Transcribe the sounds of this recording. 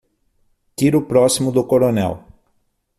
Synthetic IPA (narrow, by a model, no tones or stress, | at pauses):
kiɾʊpɾɔsimʊd̪ʊkoɾonɛ̰w